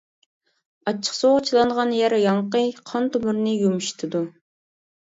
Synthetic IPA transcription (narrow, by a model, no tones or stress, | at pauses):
ɑt͡ʃʰːə̥qsoʁt͡ʃʰilˠɑɴʁɑnjæɾjɑɴqəqʰɑnt̪omuɾnɨjumuʃi̥t̪ʰɨd̪u